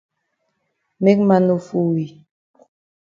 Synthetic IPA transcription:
me˦k̚ma˦no˨fu˦˨wi˨

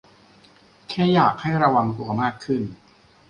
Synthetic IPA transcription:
kʰɛː˥˩jaː˨˩k̚ha˥˩jɾa˧wa˧ŋku˧ɐmaː˥˩kʰːɯ˥˩n

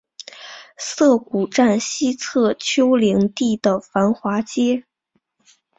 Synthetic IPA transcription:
sɤ˥˩ku˨˩ʈ͡ʂa˥˩nɕi˥t͡sʰɤ˥˩t͡ɕʰjo˥ʊli˧˥ŋt̪i˥˩d̪ə˩fa˧˥nxwa˧˥t͡ɕjɛ˥

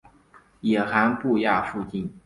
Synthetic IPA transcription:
jɛ˨˩xa˧˥npu˥˧ja˥˧˩fu˥˧t͡ɕi˥˩n

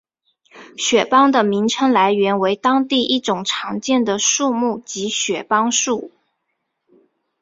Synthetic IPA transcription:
ɕɥɛ˨˩pɑ˥ŋd̪ə˨mi˧˥ŋʈ͡ʂʰɤ˥ŋla˧˥ɪɥɛ˧˥nwe˧˥ɪt̪ɑ˥ŋt̪i˥˧ʔi˥˩ʈ͡ʂʊ˨˩ŋʈ͡ʂʰɑ˧˥ŋt͡ɕjɛ˥˩nd̪ə˩ʂu˥˧mu˥˩t͡ɕi˧˥ɕɥɛ˨˩pɑ˥ŋʂu˥˩

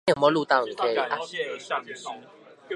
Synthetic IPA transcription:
ẽ˦˨mɔ˦lu˥˧t̪ã˥˨ŋ̩˨kʰe˧˦˧a˦˧

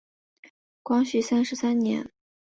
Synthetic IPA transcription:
kwɑ˥ŋɕy˥˩sa˥nʂɻ̩˧sa˥nnjɛ̰˧˥n

